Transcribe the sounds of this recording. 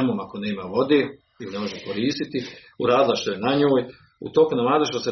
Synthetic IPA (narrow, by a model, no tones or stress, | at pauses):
amo̞ːmako̞neːmaʋo̞d̪eː | ilnemoʒekoɾiːst̪it̪i | uɾaːd̪ilˠaʃt̪o̞jenaɲoːj | ṵt̪o̞kunamaːzoʃt̪ose